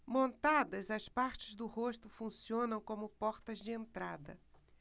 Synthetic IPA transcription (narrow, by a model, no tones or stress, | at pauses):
mõnt̪ad̪ɐzɐspaɾt͡ʃɪzd̪ʊhoʃt̪ʊfũsiõnɐ̃w̃kõmʊpɔɾt̪ɐzd͡ʒɪẽnt̪ɾad̪ɐ̰